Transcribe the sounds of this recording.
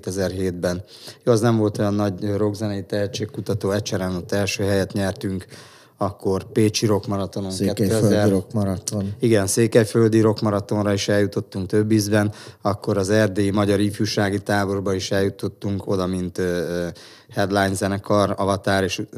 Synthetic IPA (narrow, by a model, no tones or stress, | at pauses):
t̪ɛzɛrɦeːd̪bɛn | joɛznɛɱvo̞lt̪o̞jɒnːɒɟro̞ɡzɛnɛjit̪ɛɦɛt͡ʃːeːkːut̪ɒt̪oːɛt͡ʃɛɾɛnot̪ːɛlʃøːɦɛjɛt̪ɲɛrt̪yŋk | ɒkːo̞rpeːt͡ʃiɾo̞kmɒɾɒt̪o̞noŋɛt̪ːøzɛokɾt̪oniɡɛnseːkɛjføld̪iɾo̞kmɒɾɒt̪o̞nrɒiʃɛljut̪o̞t̪ːuŋk̚t̪ø̞bːizbɛnɒkːo̞ɾɒzɛrd̪eːimɒɟɒɾifjuʃaːɡit̪aːbo̞rbɒiʃɛljut̪o̞t̪ːuŋko̞d̪ɒmint̪ː | hɛd̪lajnzɛnɛkʰɒrɒvɒt̪aːɾeːʃ